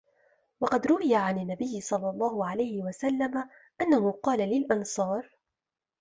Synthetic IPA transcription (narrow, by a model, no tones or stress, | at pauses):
wɑqɑd̪ɾʊwɪjaʕanɪnːabɪjːɪsˤɑlːɑlˤːɑːhʊʕalajhɪwasalːama | ʔanːahʊqɑːlalɪlʔɑnsˤɑːɾˤ